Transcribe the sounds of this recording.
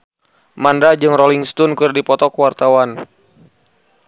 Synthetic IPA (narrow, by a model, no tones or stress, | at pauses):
mandad͡ʒɨŋrɔliŋst̪unkɨrdipɔt̪ɔkwart̪awan